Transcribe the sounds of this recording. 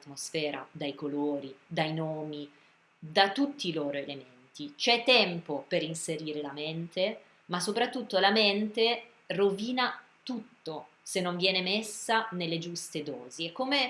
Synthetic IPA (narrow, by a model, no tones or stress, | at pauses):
t̪mosfɛːɾa̰d̪ajkoloːɾid̪ajnoːmi | d̪at̪ut̪ːiloːɾoelement̪it͡ʃɛt̪ːɛmpopeɾinseɾiːɾelament̪e | masːopɾat̪ːut̪ːolament̪e | roviːna | t̪ut̪ːo | senːoɱvjɛːnemesːanelːed͡ʒust̪ed̪ɔ̰ːziɛkome